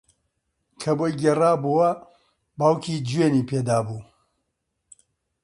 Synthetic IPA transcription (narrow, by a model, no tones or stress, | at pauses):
kʰɐboːjɡeraːbuwɐ | baːwkʰiːd͡ʒweːniːpeːd̪aːbuː